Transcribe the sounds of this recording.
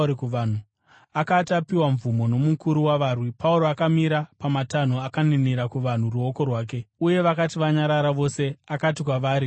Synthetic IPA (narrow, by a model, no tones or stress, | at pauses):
kuʋan̤u | akatapiwaɱvumo̞no̞mukuɾuwaʋaːrwipauɾo̞akamiɾapamatan̤oakaniniɾakuʋan̤uruo̞ko̞rwaːk̬e̞uje̞ʋakatiʋaɲaɾaɾaʋo̞se̞akatik̬waʋaːɾi